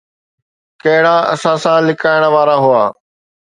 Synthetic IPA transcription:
kɐɦɪɽaɐ̰sãsãlɪkaːɪɽ̃ə̆ʋaːɾaɦʊaː

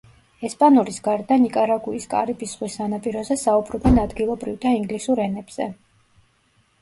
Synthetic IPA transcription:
ɛspʼanuɾisɡaɾd̪anikʼaɾaɡuiskʼa̰ɾibisʁwisanapʼiɾɔzɛsaubɾɔbɛnad̪ɡilˠɔbɾivd̪aiŋɡlisuɾɛnɛbz̥ɛ

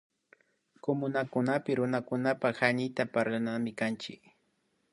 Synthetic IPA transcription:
komʊnakʊnapɪɾʊnakʊnapahanɪjt̪apaɾlanamɪkant͡ʃɪ̰k

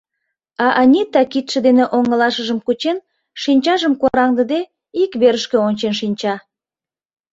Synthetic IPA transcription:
ɑʔɑnʲit̪ɑkit̪ʃə̆d̪eneʔoŋəlɑʃəʒəmkut͡ɕen | ʃinʲt͡ɕɑʒəmkoɾɑŋd̪əd̪e | ikβeɾəʃkeonʲt͡ɕenʃinʲt͡ɕɑ

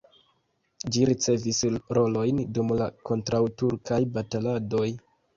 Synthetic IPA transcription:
d͡ʒiɾit͡se̞visɾo̞lo̞jndumlako̞ntɾawtuɾkʰajbatalado̞j

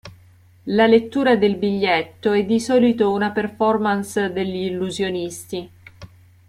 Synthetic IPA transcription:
lalet̪ːuːɾad̪elbiʎːet̪ːoɛd̪ːisɔːlit̪ounaperfɔrmansd̪eʎːiːlːuzjonist̪i

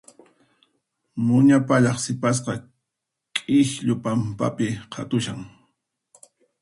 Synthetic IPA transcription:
mʊɲapaʎɑχsɪpas̬qɑ | kʼɪʃʎʊpampa̰pɪqʰɑ̰t̪ʊʃaŋ

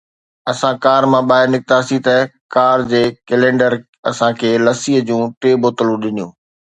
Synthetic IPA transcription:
ɐsãkaːɾmãɓaːɦɪɾnɪk̚t̪asit̪ɐkaːɾd͡ʑeːkɛlẽːɳɖəɾ | ɐsãkʰeːlɐsiːɦəd͡ʑũːʈeːboːt̪əlũɗɪnijũː

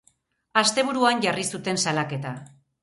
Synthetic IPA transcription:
ast̪e̞β̞uɾuanʝarisut̪e̞nsalake̞t̪a

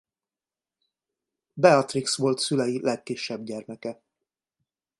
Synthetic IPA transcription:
bɛɒt̪riksʋo̞lt̪sylɛjilɛkːiʃːɛbɟɛrmɛkɛ

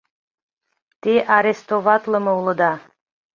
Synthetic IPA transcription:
t̪eʔaɾest̪ovat̪lˠə̆mowlˠə̆d̪ɑ

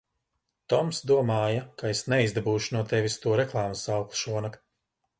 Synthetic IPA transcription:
t̪ɔmsd̪uɔmaːjɐkaesnɛizd̪abuːʃunuɔt̪ɛvʲist̪uɔɾɛklˠaːmusawklˠʃuɔnak

